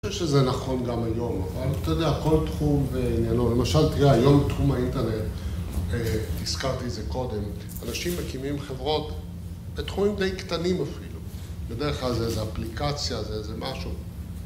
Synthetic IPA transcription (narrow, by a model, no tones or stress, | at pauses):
oʃevʃezenaχo̞nɡamajo̞mavalt̪ojod̪eako̞ltχumveinjanolemaʃalt̪iʁeajo̞mbet̪χumaint̪eʁne̞t̪et̪iskaʁt̪iezeko̞d̪e̞m | anaʃimːekimimχevʁo̞t̪ | bet̪χumimd̪ejkt̪animafilubed̪eʁeχklalzezeaplikat͡sjazezemaʃu